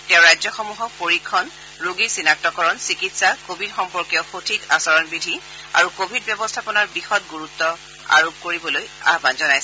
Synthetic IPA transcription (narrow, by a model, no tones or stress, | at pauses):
tɛʊ̃ɹajzɔxɔmuɦɔpoɹikʰːɔn | ɹuɡisinak̚tɔkɔɹɔnsikitsakobʱidxɔmpɔɹkjɔʊxotʰikasɔɹɔnbidʱi | a̰ɹukobʱid̚bjɔbɔstʰapɔnaɹbixɔt̚ɡuɹutːɔ | a̰ɹob̚koɹibɔloja̰banzɔnajsɛ